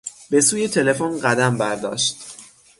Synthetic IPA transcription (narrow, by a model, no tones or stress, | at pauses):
be̞suːje̞t̪ʰe̞le̞fonɢæd̪æmbæɾd̪ɒ̰ːʃt̪